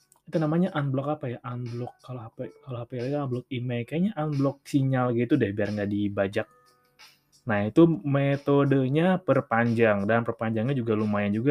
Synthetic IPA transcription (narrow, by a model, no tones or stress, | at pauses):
it̪unamaɲaʔanblɔkapajaʔanblɔkːaloapakalohapaklaɡaablɔk̚imajkajaɲaʔanblɔk̚t͡ʃiɲalaɡit̪udahbiarŋɡaʔdibad͡ʒak̚ | nahit̪umet̪odəɲapərpaɲd͡ʒaŋdanpərpaɲd͡ʒaŋɲad͡ʒuɡalumajand͡ʒuɡa